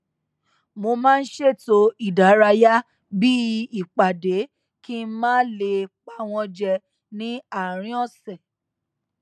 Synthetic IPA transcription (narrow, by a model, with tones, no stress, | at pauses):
mo˧mãː˦n̩˦ʃe˦˨to˧˦i˦˨da˨˦ɾa˧ja˦ | bi˦i˨k͡pa˨de˨˦ | ki˦mãː˦le˧k͡pa˧˦w̃ɔ̃˧d͡ʒɛ˧ | nĩ˨˦a˦˨ɾ̃ĩ˨˦ɔ˦˨sɛ˨